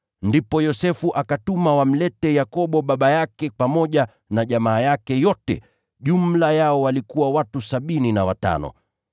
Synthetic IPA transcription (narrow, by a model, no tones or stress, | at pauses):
ndipɔjɔsɛfuʔakatumawam̩lɛtɛjakɔɓɔɓaɓajakɛpamɔʄa | naʄamaːjakɛjɔtɛ̰ | ʄumlajaɔwalikuwawatusaɓininawata̰nɔ̰